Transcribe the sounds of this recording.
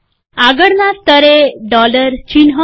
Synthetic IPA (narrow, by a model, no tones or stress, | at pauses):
aɡəɽnat̪əɾeɖɔləɾt͡ɕinɦə